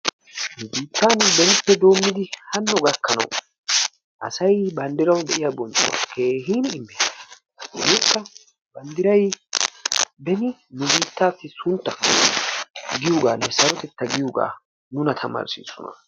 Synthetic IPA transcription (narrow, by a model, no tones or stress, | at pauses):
nʊbiːt̪ːaːnbɛnɪpːɛd̪o̞ːmːɪd̪ɪhɐnːɔɡɐkːɐnɐ̰w | ʔɐ̰sɐjbɐnd̪ɪɾɐwd̪ɛʔɪjabɔnt͡ʃʼʊwa̰kʰe̞ːɦiːnɪmːɛ | beːkːɐ | bɐnd̪ɪɾɐj | bɛnɪnʊbiːt̪ːaːsːɪsʊnt̪ːɐ | ɡɪjoɡaːnɛsɐɾɔt̪ɛt̪ːɐɡɪjʊɡa̰ː | nʊnɐt̪ʰɐmɐ̰ɾsḭːsɔ̰nɐ̰